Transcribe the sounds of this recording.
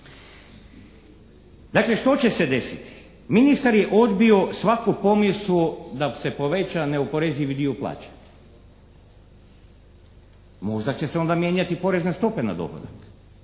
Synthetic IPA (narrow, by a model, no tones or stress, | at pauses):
d̪akle̞ʃt̪o̞t͡ɕe̞se̞d̪e̞sit̪i̥ | minist̪aɾjeʔo̞d̪bio̞sʋakupo̞misud̪ase̞po̞ʋet͡ɕaneopo̞ɾeziʋid̪iuplˠa̰ːt͡ɕḁɲ | mo̞ʒd̪at͡ɕe̞seo̞nd̪amje̞ːɲat̪ipo̞ɾezne̞st̪o̞pe̞na̰d̪o̰pa̰d̪ak